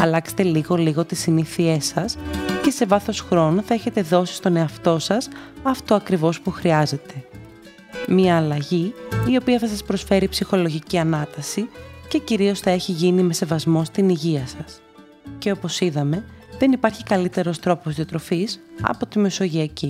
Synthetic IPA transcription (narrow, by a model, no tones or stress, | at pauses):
ɐlɐkse̥t̪e̞liɣo̞liɣo̞t̪isiniθie̞sɐsce̞se̞vɐθo̞sxɾo̞noθɐe̞çe̞t̪e̞ðo̞si̥st̪o̞ne̞ɐft̪o̞sɐsɐft̪oɐkɾivo̞spuxɾiɐze̞t̪e̞ | miɐːlɐʝiio̞piɐθɐsɐspɾo̞sfe̞ɾipsixo̞lo̞ʝiciɐnɐt̪ɐsice̞ciɾio̞sθɐe̞çiʝinime̞se̞vɐzmo̞st̪iniʝiɐsɐs | ce̞o̞po̞siðɐme̞ðe̞nipɐɾçikɐlit̪e̞ɾo̞st̪ɾo̞posðiot̪ɾo̞fisɐ̰po̞t̪ime̞so̞ʝiɐci